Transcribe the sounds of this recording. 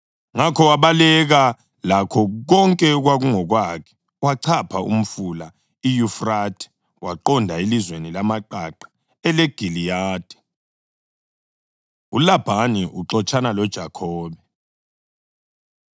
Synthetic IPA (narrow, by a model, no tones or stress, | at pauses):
ŋakʰɔwaβalɛɣa | lakʰɔɣɔŋkʼɛɣwaɣuŋɔɣwakʰɛ̥ | waǀʰapʰaṵm̩fula | ijufratʰʼɛ̥ | waǃɔndʱailizwenilamaǃaǃḁ | ɛlɛɡ̥ʱilijaːd̥ʱɛ̥ | ulab̥ʱaniʔuǁɔt͡ʃʼʰanalɔd̥ʒ̥ʱakʰɔːβɛ